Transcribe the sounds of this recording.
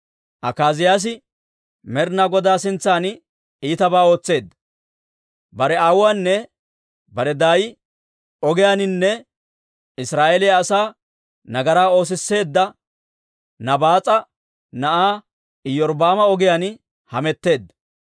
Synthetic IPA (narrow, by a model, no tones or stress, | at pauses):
ʔɐkaːzɪjaːs̬ɪ | mɛɾnaɡɔd̪aːsɪnt͡sːaːn | iːt̪ɐbaːo̞ːt͡sːe̞ːd̪ːɐ | bɐɾɛaːwːaːnːɛ | bɐɾɛd̪aːjɪ | ɔɡɪjaːnɪnːɛ | ɪsɾaːʔelɪjaːsaː | nɐɡɐɾaːo̞ːs̬ɪsːe̞ːd̪ːɐ | nɐbaːt͡sʼɐ | nɐʔaː | ɪjɔɾbaːmɐɔɡɪjaːn | hɐmɛt̪ːe̞ːd̪ːɐ